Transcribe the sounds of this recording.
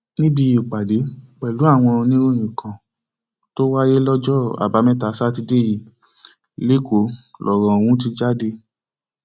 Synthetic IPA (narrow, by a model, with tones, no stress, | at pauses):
nĩ˦bi˧i˨k͡pa˨de˨˦k͡pɛ˨lu˨˦a˦˨w̃ɔ̃˧nĩ˦ɾo˦˨j̃ĩ˨kʰã˨ | to˦wa˦je˦lɔ˦d͡ʒɔ˦˨a̰˨ba˨˦mɛ̃˦ta˨˦sa˦ti˧de˦˨ji˨ | le˦ko˨˦lʔɔ˨ɾɔ̃˧o˨w̃ũ˨˦t̬i˧d͡ʒa˦de˧